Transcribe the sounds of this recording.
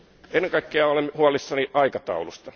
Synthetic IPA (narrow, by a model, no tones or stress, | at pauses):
enːeŋkɑikːeɑolemhuɑlˑisːɑniʔɑikɑt̪ɑ̰ulust̪ɑ